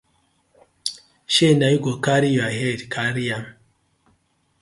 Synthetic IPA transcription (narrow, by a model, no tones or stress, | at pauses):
ʃenajɡokaɾijaɦedkaɾijam